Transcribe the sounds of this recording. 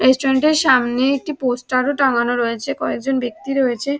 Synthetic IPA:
ɾesʈoɾeɳʈeɾʃamneek̚ʈiposʈaɾoʈaŋanoɾɔet͡ɕʰekɔek̚d͡ʑonbek̚t̪iɾoet͡ɕʰe

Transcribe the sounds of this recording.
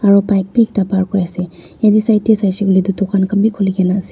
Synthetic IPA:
aɹɔpajk̚pik̚tapaɾkɔɹajsɛ | jadisajtesajsiɡlidutɔkʰankʰambikʰɔliɡɛnasi

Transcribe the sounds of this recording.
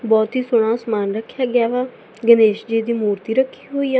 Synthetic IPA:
bɔːt̪ɦiːsʊɽ̃ãːsmaːnɾəkʰːjaːɡɪjaːʋaː | ɡəneːʃd͡ʒiːd̪iːmuːɾt̪iːɾəkʰːiːɦoːiːaː

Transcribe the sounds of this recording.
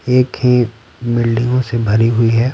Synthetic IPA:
eːkhẽː | mɪlɖɪ̃ŋɡõsebʱɐɾiɦʊiɦɛ

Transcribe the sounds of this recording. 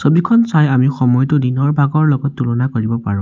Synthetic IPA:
sobikʰɔnsajamixɔmɔjtʊdinɔɹbʱaɡɔɹlɔɡɔtːulɔnakoɹibɔpa̰ɹʊ̃

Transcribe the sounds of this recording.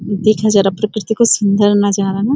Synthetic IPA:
d̪eːkʰad͡ʒaːɾapɾəkɾɪt̪ikosʊnd̪ʱəɾnad͡ʒaːɾana

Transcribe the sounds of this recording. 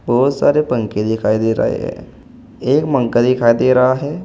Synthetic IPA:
bɔːʊt̪sa̰ːɾepə̃ŋked̪ɪkʰaːid̪eːɾɐ̰ɦḛɦɛ̰̃ː | eːkmə̃ŋkəd̪ɪkʰaːid̪eːɾɐɦaɦɛː

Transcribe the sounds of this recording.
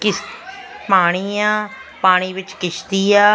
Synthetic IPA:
kɪspaːɽ̃iːaːpaːɽ̃iːʋɪt͡ʃkɪʃt̪iːaː

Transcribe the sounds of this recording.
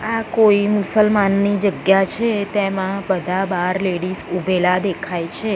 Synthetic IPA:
akoimʊsəlmanːid͡ʒəɡjat͡ʃʰet̪emãbəd̪ʱabaɾleɽisubʱelad̪ekʰajt͡ʃʰe

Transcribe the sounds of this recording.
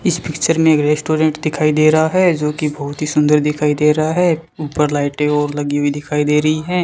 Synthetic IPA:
ɪspɪkt͡ʃəɾmẽːkɾeːsʈoːɾẽɳʈd̪ɪkʰaːid̪eːɾɐɦaɦɛːd͡ʒoːkibɐɦʊt̪ɦisʊ̃nd̪əɾd̪ɪkʰaːid̪eːɾɐɦaɦɛːuːpəɾlaːɪʈẽɔːɾlɐɡiɦuid̪ɪkʰaːid̪eːɾɐɦiɦɛ̃ː

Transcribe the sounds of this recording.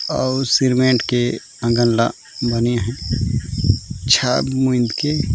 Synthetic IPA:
ɔːsiɾmẽɳʈke | ə̃ŋɡənla | bəniɦɛ̃ | t͡ʃʰaːbmũɪ̃nd̪ke

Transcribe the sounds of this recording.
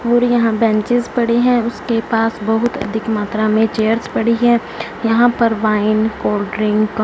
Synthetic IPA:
uːɾjɐɦãbɛ̃ːɲt͡ʃɪzpɐɽiɦɛ̃ʊskepaːsbɐɦʊt̪ɐ̰d̪ʱɪkmaːt̪ɾamẽt͡ʃeːəɾspɐɽ̤iɦɛ̃ː | jɐɦãpɐɾʋaːɪnkoːɾɖɾɪ̃ŋɡk

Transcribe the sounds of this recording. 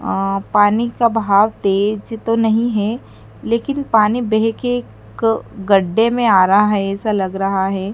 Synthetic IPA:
paːnikabʱaːʋt̪eːd͡ʒt̪onɐɦĩɦɛ | leːkɪnpaːnibɛɦke | kɡɐɖːemẽaːɾɐɦaɦɛɛːsalɐɡɾɐɦaɦɛː

